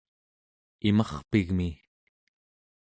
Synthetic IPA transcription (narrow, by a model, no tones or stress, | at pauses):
imɑχpiɣmi